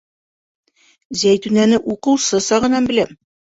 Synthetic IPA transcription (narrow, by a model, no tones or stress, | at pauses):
zæjt̪ʉnænɘʔuqɤ̆wsɤsɒʁɤ̆nɑnbɘ̆læm